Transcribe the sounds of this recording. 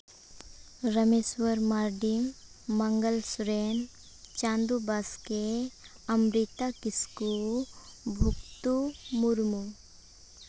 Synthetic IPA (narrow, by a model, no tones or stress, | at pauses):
ɾəmeswəɾmaɾɖimː | əŋɡəlsuɾen | t͡ʃãːnd̪ubaske | ɐmɾit̪akiskulbʱukt̪umuɾmu